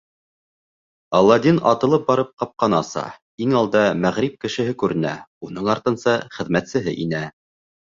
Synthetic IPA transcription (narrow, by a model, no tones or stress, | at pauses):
ɑlˠːɑd̪inɑt̪ɤ̆lˠɤp̚bɑɾɤp̚qɑp̚qɑnɑsɑ̰ | iŋɑlˠd̪ɑmæʁɾip̚kɘ̆ʃɘ̆ɦɘkʉɾɘ̆næ̰unɤɴɑɾt̪ɤ̆nsɤχɘ̆ðmæt̪sɘ̆ɦɘ̰ʔinæ